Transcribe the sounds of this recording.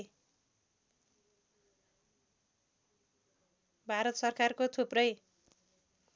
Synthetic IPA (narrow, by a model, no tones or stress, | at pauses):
bʱaɾʌt̪sʌrkarkot̪ʰuprʌj